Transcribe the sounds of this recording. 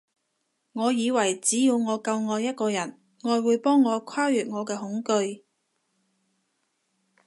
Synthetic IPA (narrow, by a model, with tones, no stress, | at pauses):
ŋɔː˨˧jiː˨˧wɐ˨˩jt͡siː˨˥jiː˨˧wŋɔː˨˧kɐ˧wŋɔː˨˧jɐ˥t̚kɔː˧jɐ˨˩n | ŋɔː˧jwuː˨˧jpɔː˥ŋːɔː˨˧kʷʰwaː˥jyː˨t̚ŋɔː˨˧kɛː˧ɦʊ˨˥ŋkɵ˧ɥ